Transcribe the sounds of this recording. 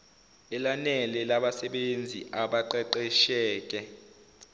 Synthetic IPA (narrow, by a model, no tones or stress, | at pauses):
ɛlanɛlɛlaɓasɛɓend͡zʱiʔaɓaǃɛǃɛʃɛːk̬ʼɛ